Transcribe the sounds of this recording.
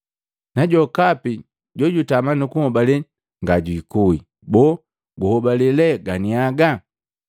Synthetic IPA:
naɟɔkapi | ɟɔɟutamanukuhɔbalɛ | ŋɡaɟwikui | bɔ | ɡuhɔbalɛlɛɡaniaɡa

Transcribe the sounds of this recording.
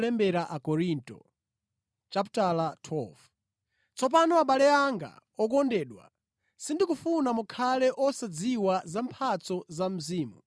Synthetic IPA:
lɛmbɛɾaʔakɔɾintɔ̰ | t͡ʃaputalatʰɔf | t͡sɔp̬anɔaɓalɛaŋɡa̰ɔk̬ɔndɛːɗwa̰ | sindikufunamukʰalɛʔɔsad͡ziwazampʰat͡sɔzam̩ziːmu

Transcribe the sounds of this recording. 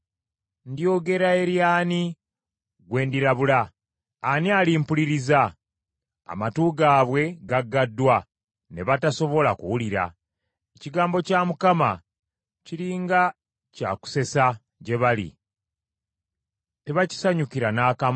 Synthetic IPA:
ndio̞ɡe̞ɾae̞ɾjaːni | ɡwe̞ːndiɾaβulaː | nialimpuliɾiza̰ː | matuːɡaːβwe̞ɡaɡːadːwa | ne̞βataso̞βo̞lakuwuliɾa̰ | eciɡaːmbo̞camukama̰ | ciliːŋɡa | ca̰ːku̥se̞sa | ɟe̞βalḭ | teβaci̥saɲukiɾanaːkam

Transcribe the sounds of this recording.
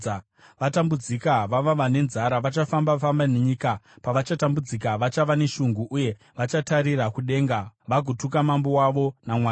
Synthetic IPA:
ʋatambud͡zikaʋaʋaʋane̞nzaɾaʋat͡ʃafambafambaneɲikapaʋat͡ʃatambud͡zikaʋat͡ʃaʋane̞ʃuŋɡuʔuje̞ | ʋat͡ʃataɾirakuɗe̞ːŋɡaʋaɡʱutukamambowaʋo̞namwaː

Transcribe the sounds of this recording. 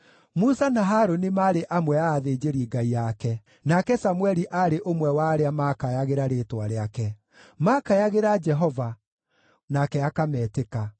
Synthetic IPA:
musanaɦaɾonimaɾeʔamwɛaːðed͡ʒeɾiːɡaiakɛ | nakɛsamwɛɾiʔaɾeʔomwɛwaːɾeamakajaɣeɾaɾeːtwaɾeakɛ | makajaɣeɾad͡ʒɛɦɔva | nakɛakamɛːteka

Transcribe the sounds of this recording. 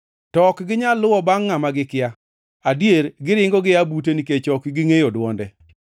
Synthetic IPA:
tɔkɡɪɲalːʊwɔbaŋːamaɡɪkɪa | adjeɾɡɪɾɪŋɡɔɡɪabuteniket͡ʃɔkɡɪŋejodwɔndɛ

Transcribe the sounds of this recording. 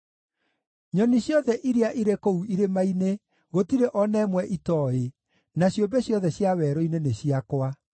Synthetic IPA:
ɲɔniɕjɔðɛʔiɾeaʔiɾekouʔiɾemaine | ɣotiɾeʔɔnɛmwɛʔitɔe | naɕjombɛɕjɔðɛɕjawɛɾɔineneɕiakwa

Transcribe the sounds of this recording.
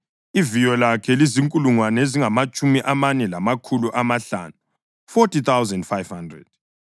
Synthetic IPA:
ivijɔlakʰɛliziŋkʼuluŋwaneziŋamat͡ʃʼumiʔamanɛlamakʰuluʔamaɬa̰nu | fɔtʰit̪awzɛndfajv̥handrɛ̰d̥̚

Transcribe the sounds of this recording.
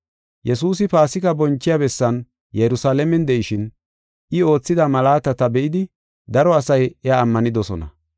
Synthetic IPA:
jɛsuːsɪpaːsɪkɐbɔnt͡ʃːɪjabɛsːɐn | jɛɾʊsaːlɛmɛnd̪ɛʔɪʃɪn | ʔɪo̞ːt͡sːɪd̪ɐmɐlaːt̪ɐt̪ɐbɛʔɪd̪ɪ | d̪ɐɾɔɐsɐjɛaːmːɐnɪd̪ɔsɔ̰nɐ̰

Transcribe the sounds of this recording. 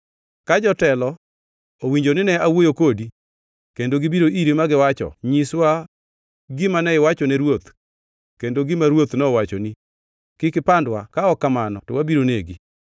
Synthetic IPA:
kad͡ʒɔtɛlɔ | owiɲd͡ʒonɪnɛawojokodi | kendoɡɪbiɾoʔiɾemaɡɪwat͡ʃɔ̰ɲiswa | ɡɪmanɛɪwat͡ʃɔnɛɾwot̪ | kendoɡɪmaɾwot̪nɛwat͡ʃɔni | kɪkɪpandwakaɔkamanɔtɔwabiɾoneɡi

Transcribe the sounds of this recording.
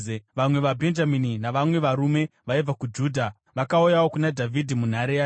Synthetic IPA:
ʋamwe̞ʋabʱe̞nd͡ʒamininaʋamwe̞ʋaɾume̞ʋaib͡vakud͡ʒuːdʱa | ʋakaujawokunadʱavʱidʱimun̤aɾejaː

